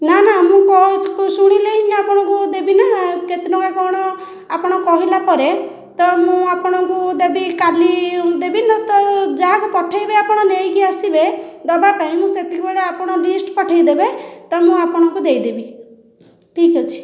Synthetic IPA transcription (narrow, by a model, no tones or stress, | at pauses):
nanamũkɔskusuɽ̃ileĩapɔɽ̃ɔ̃ŋkud̪ebinaket̪enɔkakɔɽ̃ɔ | apɔɽ̃ɔkɔɦilapɔɾe | t̪ɔmũapɔɽ̃ɔkud̪ebikalid̪ebinat̪ɔd͡ʒaɦakupɔʈʰajbeapɔɽ̃ɔnejkiasibed̪ɔbapaĩmũset̪ikbɔɭeapɔɽ̃ɔlisʈpɔʈʰajd̪ebet̪ɔmũapɔɽ̃ɔŋkud̪ejd̪ebi | ʈʰikɔt͡ʃʰi̥